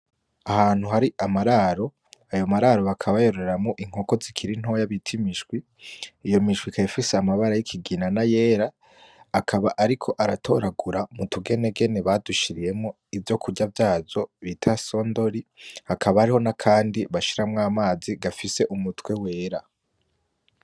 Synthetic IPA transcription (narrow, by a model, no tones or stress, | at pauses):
ahaːn̥huhaɾiʔamaɾaɾo̞ | ajo̞maɾaɾo̞βakʰaβajo̞ɾoɾeɾamŋoʔiŋ̥o̞ko̞zikʰiɾin̥ho̞jaβitʰimiʃɡwi | ijo̞miʃɡwikʰajifiseamaβaɾajikʰiɡinanaje̞ːɾaː | kʰaβaʔaɾikʰo̞ʔaɾatʰo̞ɾaɡuɾamutʰuɡe̞ne̞ɡe̞ne̞βaduʃiɾije̞mŋo | ivjo̞kuɟavjaːzo̞βitʰaso̞ːndo̞ɾihakʰaβahaɾiho̞nakʰaːndiβaʃiɾamŋaːmaːziɡafise̞ʔumutwe̞we̞ːɾa